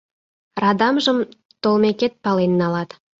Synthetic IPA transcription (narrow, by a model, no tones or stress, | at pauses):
rɑd̪ɑmʒəm | t̪olˠmeket̪̚pɑlˠenːɑlˠɑt̪